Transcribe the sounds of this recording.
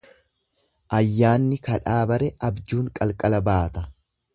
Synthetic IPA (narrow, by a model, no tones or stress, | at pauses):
ʔɐjːaːnːɪkɐᶑaːbɐɾɛʔɐbd͡ʒuːŋkʼɐlkʼɐlɐbaːt̪ɐ